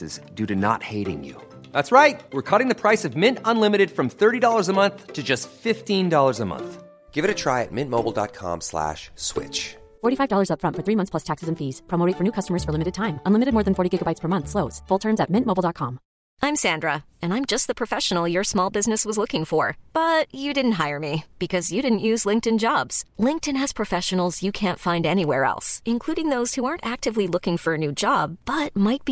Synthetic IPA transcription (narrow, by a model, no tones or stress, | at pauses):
ɨ̰zdʉɾɨnə̰t̚heɪɾɪ̰̃ŋjʉ̰ | ðætsɹaɪt̚wɨɹkʰʌɾɪ̃ŋðɨpʰɹ̥aɪsʌvmɪ̃ntə̃nlɪ̃mɨɾɨd̥fɹʌ̃mθɜ˞ɾidɔlˠə˞zəmʌ̃nθtʰɨd͡ʒʌstfɪftĩndɔlˠə˞zəmʌ̰̃nθ | ɡ̥ɪvɨɾɨtʰɹ̥aɪɨ̰t̚mɪ̃nmoʊbl̩ˠdɑ̰t̚kʰɑ̰̃mslæ̰ʃswɪ̰t͡ʃ | fɔɹɾifaɪvdɔlˠə˞zʌpfɹʌ̃ntfə˞θɹimʌ̃nθspʰl̥ʌstʰæksɨzɨ̃ɱfiz̥pʰɑmoʊitfə˞nʉkʰʌstəmə˞z̥fə˞lɪ̃mɨɾɨd̚tʰãɪ̃mə̃nlɪmɨɾɨd̚mɔɹðɨ̃nfɔɹɾiɡɪɡəbaɪtspʰə˞mʌ̃nθsloʊtz̥fʊlˠtʰɜ̃˞nzɨt̚mɪ̃nmoʊbl̩ˠdɑt̚kʰɑ̃m | ãɪ̃msæ̃ndɹə | ɨ̃nãɪ̃md͡ʒʌst̪̚ðəpʰɹ̥ɨfɛʃn̩l̩ˠjə˞smɔlˠbɪznɨswʌzlʊkɪ̃ŋfə˞b̥ʌt͡ʃɨdɪdⁿn̩t̚ɦaɪə˞mib̥ɨkʰʌzjɨɾɪdⁿn̩ʔjʉzlɪ̃ŋktɨ̃nd͡ʒɑbz̥lɪ̃ŋk̚tɨ̃nɨz̥pʰɹ̥ɨfɛʃɨn̩l̩ˠzjɨkʰæ̃ntfãɪ̃ndɛniwɛ̰ɹɛ̰lˠsɨ̃nkʰl̥uɾɪ̃ŋðoʊz̥huɑɹntæk̚tɨvlilʊkɪ̃ŋfə˞ɨnʉd͡ʒɑb̚b̥ʌt̚maɪt̚b̥i